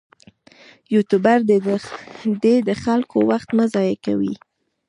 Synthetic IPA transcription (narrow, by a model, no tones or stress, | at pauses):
jut̪ubaɾd̪ | d̪ed̪əxalkowaxt̪mazɑjaka̰wḭ